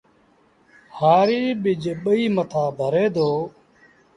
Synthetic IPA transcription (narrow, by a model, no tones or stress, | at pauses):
haːɾiːɓɪd͡ʒɓəiːmət̪ʰaːbʱəɾeːd̪oː